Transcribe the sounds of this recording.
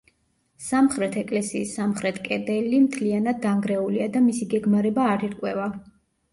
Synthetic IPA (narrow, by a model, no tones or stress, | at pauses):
samχɾɛt̪ʰɛkʼlɛsiːsːamχɾɛt̪ʰkʼɛd̪ɛlimt̪ʰlianad̪̚ːaŋɡɾɛuliad̪amisiɡɛɡmaɾɛbaːɾiɾkʼwɛva